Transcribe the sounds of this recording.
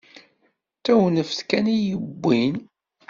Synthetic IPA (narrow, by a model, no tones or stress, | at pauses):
t̪ːæwnəfθkænijəbʷːin